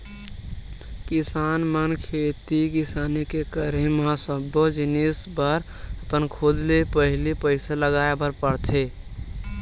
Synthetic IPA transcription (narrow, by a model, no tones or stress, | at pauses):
kisaːnmənkʰet̪ikisanikekəɾemãsəbod͡ʒinisbəɾ | əpənkʰod͡ʒlepəɦɪlipəɪsaləɡaebəɾpəɽt̪ʰe